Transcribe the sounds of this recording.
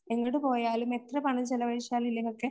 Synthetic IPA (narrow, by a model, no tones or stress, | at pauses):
eŋːɐɭɽɨpo̞ːjaːlume̞t̪rɐpɐɳɐt͡ɕelɐʋɐɻiʂjaːlumilːɐokːe